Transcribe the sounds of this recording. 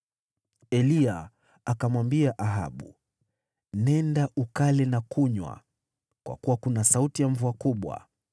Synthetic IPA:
ɛlia | akamwambiaʔaɦa̰ɓṵ | nɛndaʔukalɛnakuɲwa̰ | kwa̰kuwakunasautijaɱvuakuɓwa̰

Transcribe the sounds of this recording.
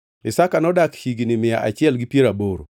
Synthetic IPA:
ɪsakanɔdakhiɡinɪmɪja̰ʔat͡ʃɪɛlɡipjeɾaboɾo̰

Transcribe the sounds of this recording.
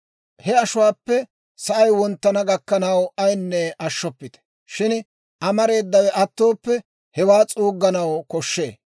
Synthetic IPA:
hɛɐʃʊwaːpːɛ | sɐʔɐjwɔnt̪ːɐnɐɡɐkːɐnɐwɐjnːɛɐʃːɔpːɪt̪ɛ̥ | ʃɪn | ʔɐmɐɾe̞ːd̪ːɐwɛʔɐt̪ːo̞ːpːɛ | hɛwaːt͡sʼuːɡːɐnɐwkɔʃːe̞̰ː

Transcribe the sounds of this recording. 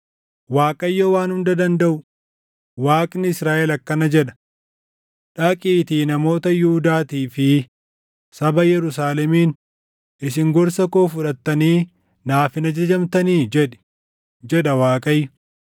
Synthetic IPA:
waːkʼɐjːɐwaːnhʊnd̪ɐd̪ɐnd̪ɐʔʊ | waːkʼnɪɪsɾaːʔɛlɐkːɐnɐd͡ʒɛᶑɐ̥ | ᶑɐkʼiːt̪iːnɐmo̞ːt̪ɐjʊhʊd̪aːt̪iːfɪ | sɐbɐjɛɾʊs̬aːlɛmiːn | ʔɪs̬ɪŋɡɔɾsɐkoːfʊᶑɐt̪ːɐniː | naːfɪnɐd͡ʒɐd͡ʒɐmt̪ɐniːd͡ʒɛᶑɪ̥ | d͡ʒɛᶑɐwaːkʼɐjːʊ

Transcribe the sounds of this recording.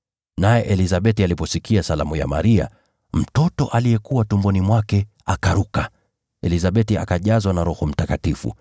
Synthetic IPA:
najɛʔɛlizaɓɛtialipɔsikiasalamuja̰ma̰ɾia̰ | m̩tɔtɔ̰ʔalijɛkuwatumbɔnimwakɛ | akaɾuka | ɛlizaɓɛtia̰kaʄazwanaɾɔhɔm̩takatifṵ

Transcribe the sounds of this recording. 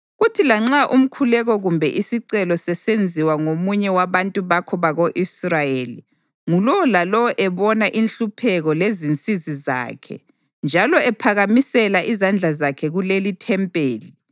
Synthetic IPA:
ɣutʰilaŋ͡ǁaʔum̩kʰulɛɣɔɣumbʱɛʔisiǀɛlɔsɛsend͡zʱiwaŋomuɲɛwaβantʼuβakʰɔβaɣoʔisrajeli | ŋulɔwɔlalɔwɔʔɛβɔnaʔinɬupʰɛɣɔlezint͡sʼiziza̰ːkʰɛ̰ | nd͡ʒʱalɔɛpʰaɣamisɛlaʔizand͡ɮʱazakʰɛɣulelitʰɛmpʼeːli

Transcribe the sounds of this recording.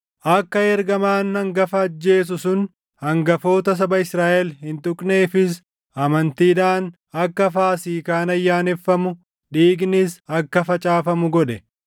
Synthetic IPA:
ʔɐkːɐɛɾɡɐmaːnːɐŋɡɐfɐːd͡ʒːe̞ːs̬ʊsʊn | hɐŋɡɐfo̞ːt̪ɐs̬ɐbɐɪsɾaːʔɛlhɪnt̪ʼʊkʼneːfɪs | ɐmɐnt̪iːᶑaːn | ɐkːɐfaːsiːkaːnɐjːaːnɛfːɐmʊ | ᶑiːɡnɪsɐkːɐfɐt͡ʃʼaːfɐmʊɡɔᶑɛ

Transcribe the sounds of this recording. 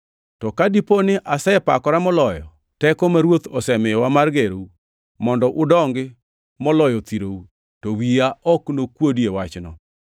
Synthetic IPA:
tɔkadiponɪʔasɛpakɔɾamɔlɔjɔ̰ | tɛkɔmaɾwot̪ɔsɛmɛwamarɡeɾou | mɔndɔʔʊdɔŋɡɪ | mɔlɔjɔt̪iɾou | towiaɔknokwodjewat͡ʃnɔ̰

